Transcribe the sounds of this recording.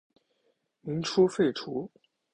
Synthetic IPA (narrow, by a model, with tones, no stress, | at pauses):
mi˧˥ŋʈ͡ʂʰu˥fe˥˩ɪʈ͡ʂʰu˧˥